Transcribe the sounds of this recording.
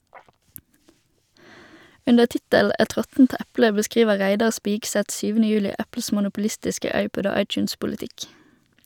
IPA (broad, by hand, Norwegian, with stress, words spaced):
ˈʉndəʁ ˈtɪtəl̩ ˈʔɛt ˈʁɔtn̩t ˈʔæplə bəˈskʁiːʋə ˈʁæɪdɑʁ ˈspiːɡˌsɛt ˈsyːʋənə ˈjʉːlɪ ˈʔæpl̩s mʊnʊpʊˈlɪstɪskə ˈɑɪˌpɔd ˈoː ˈɑɪˌt͡ʃʉːnspʊləˌtɪk